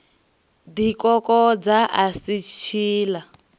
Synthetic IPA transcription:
dikɔkɔd͡zaʔasit͡ʃʰiːla

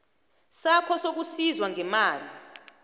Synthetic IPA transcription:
sakʰɔsok̬usizwaŋɛmaːli

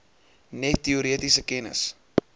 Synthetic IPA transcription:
nɛtːiuɾiətisəkɛnə̰s

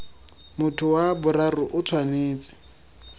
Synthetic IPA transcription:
mʊtʰʊwabʊrarʊʔʊt͡sʰwaneːt͡sʼɪ̥

